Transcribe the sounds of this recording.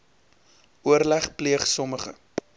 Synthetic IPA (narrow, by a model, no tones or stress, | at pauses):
ʔuərlæχpliəχsɔməχə̰